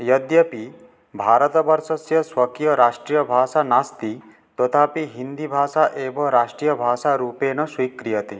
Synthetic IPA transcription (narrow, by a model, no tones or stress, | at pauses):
jɐd̪jɐpi | bʱaːɾət̪ɐbɐɾsɐsjɐswɐkijɐɾaːʂʈɾijɐbʱaːsanast̪i | t̪ɔt̪ʰapiɦind̪ibʱaːsaʔeːbʱɐɾaːʂʈɾijɐbʱaːsaɾuːpeːnɐswikɾijɐt̪i